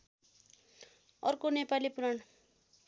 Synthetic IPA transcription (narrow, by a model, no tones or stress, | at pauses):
ʌrkonepalipuɾʌɳ